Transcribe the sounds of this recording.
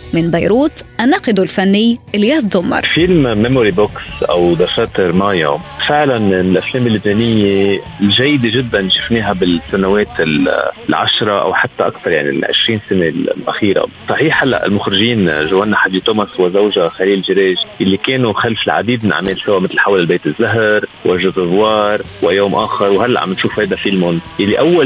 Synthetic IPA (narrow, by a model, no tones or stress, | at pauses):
mɪnbajɾuːt̪ʔanɑːqɪd̪ulfanːɪjljaːs̬d̪ʊmːɑ̰ɾˤfɪlmmemoɾiboksʔa̰wd̪ɑfat̪ɪɾmaːjafɪʕlanɪnɪlʔafleːmɪlːɪbneːnɪjːelʒajːɪd̪eʒɪd̪ːanʃɪ̥fneːɦabɪsːanaweːt̪ɪllʕa̰ʃɾˤɑʔa̰wħat̪ːaʔakt̪ɑɾˤjaʕnḭlʕɪ̰ʃɾiːnsanellʔa̰xiːɾa̰sˤɑħiːħhalːa̰ʔɪ̰lmʊxɾɪʒiːnʒawanːaħad̪it̪oːmaswɪzawʒaxaliːllʒɪɾeːʒjalːikeːnuxalfɪlʕa̰d̪iːd̪mɪnʔa̰ʕmeːlsawaʔmɪt̪lħawlɪlbeːt̪ɪzːaɦɾwʔaʒʊt̪ɨzˤwɑːɾˤ | wɪjoːmʔaːxɪɾwɦalːaʕa̰mɪnʃuːfhajd̪afɪlmʊnjalːiʔawːal